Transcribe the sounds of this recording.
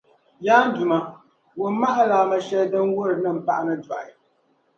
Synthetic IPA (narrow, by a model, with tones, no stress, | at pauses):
jaː˦n̩˦du˨ma˨ | wo˨m˦ma˦ʔa˦laː˨˦ma˦ʃɛ˦dɨ˦n˦wo˦ɾɨ˨nɨ˦m̩˨pa˦ʔa˦nɨ˦da˨ʔa˨